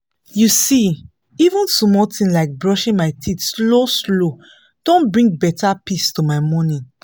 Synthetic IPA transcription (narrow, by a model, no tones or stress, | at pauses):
jusi | ivũnsmɔltĩnlaɪk̚bɹɔʃĩnmaɪtʰitsloslo | d̥õnbɹĩŋɡ̚bɛtapistumaɪmɔ̃nĩ